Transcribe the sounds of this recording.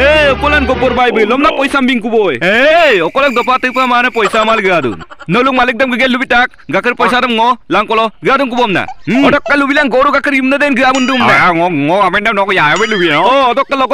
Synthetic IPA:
eɔkɔlankɔpɔɾbajbɯlɔmnapɔjsambiŋkubojeɔkɔlɔk̚d̪ɔpat̪ɯpamanəpɔjsamalɡɯad̪ṵnnəlukmalik̚d̪ɔmɡɯɡelːubiʈak̚ | ɡakəɾpɔjsad̪əmŋɔlaŋkɔlɔɡɯɾad̪unk̬ubɔmna̰ɔdɔkːalːubilaŋɡoɽuɡakɯɾimnəd̪enɡɯɾamunɖumnaŋɔŋɔameɳɖamnɔkɔjajabelubianɔd̪ɔkːalɔk

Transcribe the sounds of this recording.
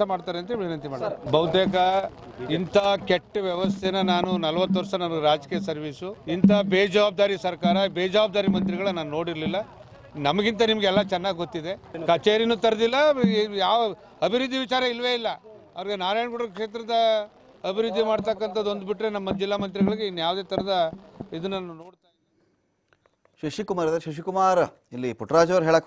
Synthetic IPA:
ɐmaːɽt̪aːɾeɐnt̪ɐʋinɐnt̪imaːɽt̪aːɾbɐʋt̪eːk̬ɐ | int̪ʰɐkeʈːɐʋjɛʋɐst̪ʰenɐnaːnunɐlɐʋɐt̪ːʋɐɾsɐnɐmnɐɡeɾaːd͡ʒkiːjɐsɐɾʋiːsuint̪ʰɐbeːd͡ʒɐʋaːb̚d̪aːɾisɐɾkaːɾɐbeːd͡ʒɐʋaːb̚d̪aːɾimɐnt̪ɾiɡɐɭɐnaːnuno̞ːɽiɾlilːɐ | nɐmɐɡint̪̬ɐnimɐɡeɛlːɐt͡ʃɛnːaːɡɡo̞t̪ːid̪e̞kɐt͡ʃeːɾinuːt̪ɐɾɐd̪ilːɐjaːʋ | ɐbʱiɾud̪ʱːiʋit͡ʃaːɾɐilːɐʋe̞ːilːɐɐʋɐɾɡenaːɾaːjɳɡuɽɾokʂeːt̪̬ɾɐd̪ɐ | ɐbʱiɾud̪ʱːimaːɖt̪ɐkːɐnt̪ʰɐd̪o̞nd̪biʈɾe̞nɐmːɐd͡ʒilːaːmɐnt̪ɾiɡɐɭɡeinːujaːʋd̪e̞ːt̪ʰɐɾɐd̪ɐid̪ɐnːɐuno̞ːɽt̪aːji | ʃiʃikumaːɾɐd̪ɾʃiʃ̬ikumaːɾ | ilːipuʈɾaːd͡ʒɐʋɐɾɦeːɭak

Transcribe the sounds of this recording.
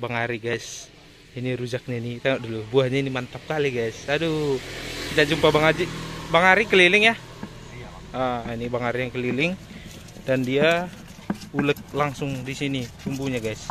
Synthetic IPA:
baŋaɾiɡajs | iniɾud͡ʒak̚ɲainit̪eŋɔʔ̚dolubuahɲainimant̪ap̚kaliɡajsadu | kit̪ad͡ʒumpabaŋad͡ʒibaŋaɾikəlilɪŋja | ainibaŋaɾijaŋkəlilɪŋ | dandia | ulək̪̚laŋsʊŋdisinit͡ʃumbuɲaɡajs

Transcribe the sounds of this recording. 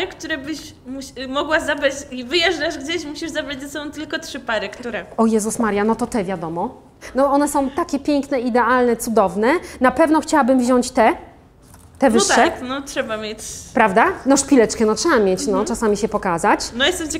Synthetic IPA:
kt̪uɾɛbɘɕ | muɕmɔɡwazabɾat͡ɕivɘjɛʐdaʐɡd͡ʑeɕmuɕiʐzabɾad͡ʑzɛsɔbɔ̃w̃t̪ɘlkɔtʂɘpaɾɨkt̪uɾɛɔjɛzusmaɾjanɔt̪ɔt̪ɛvʲjad̪ɔmɔ | nɔɔnɛsɔ̃w̃t̪akʲɛpʲjɛŋknɛid̪ɛalnɛt̪sud̪ɔvnɛnapɛvnɔxt͡ɕawabɘmvʑɔɲt͡ɕt̪ɛ | t̪ɛvɘʂːɛnɔtʂɛbamʲjet͡ɕpɾavd̪anɔʂpʲilɛt͡ʂkɛnɔtʂɛbamʲjet͡ɕnɔtasamʲiɕɛpɔkazat͡ɕnɔjɛst̪ɛmt͡ɕ

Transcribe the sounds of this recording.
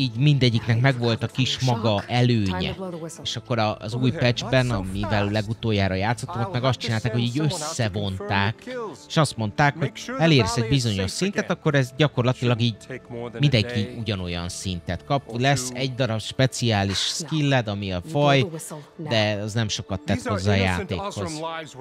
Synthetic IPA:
iːɟmind̪ɛɟːiknɛkmɛɡvo̞lt̪ɒkiʃmɒɡɒʔɛløːɲɛ̰eːʃɒkːo̞ɾɒ̰zuːjpɛd͡ʒbɛnɒmivɛllɛɡut̪oːjaːɾɒjaːt̪sːot̪ːonɑkmɛɡɒst̪̚t͡ʃinaːlt̪aːkho̞ɟiːɟø̞sːɛvo̞nt̪aːkeːʃɒst̪mo̞nt̪aːkho̞ɟɛleːɾɛsɛɟbizo̞ɲo̞ʃsint̪ɛt̪ɒkːo̞ɾɛzɟɒko̞rlɒt̪ilɒɡiːɟmind̪ɛŋkiuɟɒno̞jɒ̰nsint̪ɛt̪kɒplɛsːɛɟd̪ɒɾɒbʃpɛt̪siaːliʃskilːɛd̪ɒmiɒfɒjd̪ɛɒznɛmʃo̞kɒt̪ːɛt̪ho̞zːaːja̰ːt̪ḛːkho̞z̥

